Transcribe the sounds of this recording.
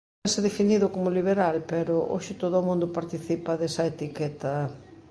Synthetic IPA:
sɪðefiniðʊkomoliβeɾalpeɾʊʔo̰ʃɪt̪oðoomũnd̪ʊpaɾt̪iθipɐðesɐet̪ikɛt̪ɐ

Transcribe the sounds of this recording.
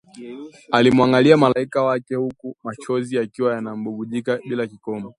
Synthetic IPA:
alimwaŋɡaliamalaikawakɛhukumat͡ʃɔziakiwajanam̩ɓuɓuʄikaɓilakikɔmbɔ

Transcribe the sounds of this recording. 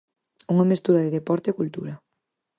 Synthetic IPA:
uŋɐmest̪uɾaðeðepɔɾt̪eːkult̪ṵɾɐ

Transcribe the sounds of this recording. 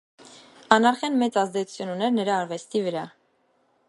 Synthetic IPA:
ɑnɑɾχɑnmɛt͡sɑzd̪ɛt͡sʰu̥t͡sʰjununɛɾnəɾɑːɾvɛst̪ivəɾɑ

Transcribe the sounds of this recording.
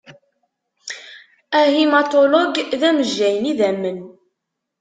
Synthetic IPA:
æɦimat̪olɔɡðæməʒːæjəniðæmːən

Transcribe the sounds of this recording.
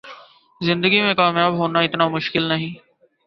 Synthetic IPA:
zɪ̃nd̪əɡimẽkaːmjaːbɦoːnaɪt̪namʊʃkɪlnɐɦĩː

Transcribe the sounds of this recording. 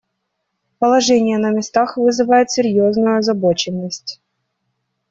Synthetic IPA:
pəlˠɐʐɛnʲɪjənəmʲɪst̪axvɨzɨvajɪt̪sʲɪɾʲjoznʊjʊɐzɐbo̞t͡ɕɪnːəsʲtʲ

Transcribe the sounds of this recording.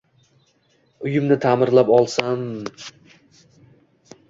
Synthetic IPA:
ʊjɪmnɪt̪ʰamɪɾlapɒlˠsan

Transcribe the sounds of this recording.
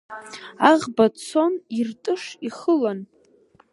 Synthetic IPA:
aʁbat͡sʰo̞nirtʼɨʂiχəlan

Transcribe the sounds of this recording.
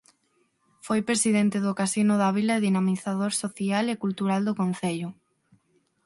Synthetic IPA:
fojpɾesiðent̪ɪðʊkasinʊðaβilɐeðinamiθaðoɾsoθialekult̪uɾald̪okonθeʎʊ

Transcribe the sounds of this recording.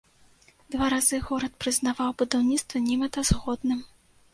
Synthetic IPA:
d̪̥vaɾazɨɣɔɾɐt̪̚pɾɨznavawbud̪awnʲit̪st̪vɐnʲimɐt̪ɐzɣɔd̪nɨm

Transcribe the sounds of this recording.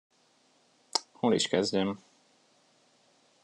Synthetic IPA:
hoːlḭʃkɛzɟɛm

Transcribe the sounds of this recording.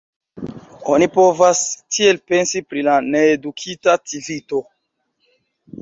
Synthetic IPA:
o̞nipo̞vastʰie̞lpe̞nsipɾilane̞ːdukʰitativito̞

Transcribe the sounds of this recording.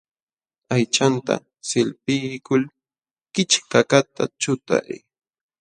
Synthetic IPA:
ajt͡ʃant̪a̰ | sɪlpɪjkʊl | kɪt͡ʃkakat̪ʰat͡ʃʊt̪a̰j

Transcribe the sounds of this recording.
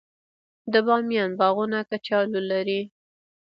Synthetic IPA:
d̪əbɑmjɑnbɑɣunakat͡ʃɑlulaɾi

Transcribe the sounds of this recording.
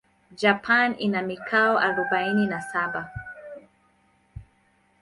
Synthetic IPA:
d͡ʒapʰanḭnamikʰaɔʔaɾɔɓaininasaba

